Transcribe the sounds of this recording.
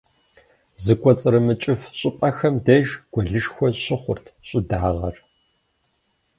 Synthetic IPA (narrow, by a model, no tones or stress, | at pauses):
zɨkʷʼɔt͡sʼɨɾɨmɨt͡ʃʼɪfɕʼɪpʼɐxɐmdeːʒɡ̥ʷɔɮɨʂxʷɔɕʼɪχʷʊ̰rtʰɕʼɪdaːʁɐ̰r